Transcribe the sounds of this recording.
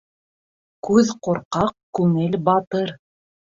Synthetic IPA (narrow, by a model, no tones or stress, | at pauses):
kʉðqŏɾqɑq̚kʉŋɘlbɑt̪ɤɾ